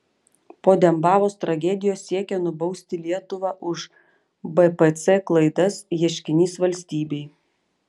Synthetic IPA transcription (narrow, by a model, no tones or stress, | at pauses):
poːd̪ʲɛmbɑːʋoːst̪ɾɐɡʲɛd̪ʲɪjoːsːʲiɛkʲɛnʊbɒʊsʲt̪ʲɪlʲiɛt̪ʊʋɑːʔʊʃ | bɛpɛt̪sɛklˠɐɪd̪ɐsjɛʃʲkʲɪnʲiːsʋɐlʲsʲt̪ʲiːbʲɛɪ